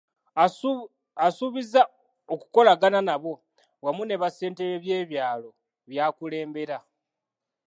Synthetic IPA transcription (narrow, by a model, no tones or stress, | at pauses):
suβiza | oku̥ko̞laɡananaβo̞ | wamune̞βase̞ːnte̞ɾeβje̞ːβjaːlo̞ | βjaːkule̞ːmbe̞ɾa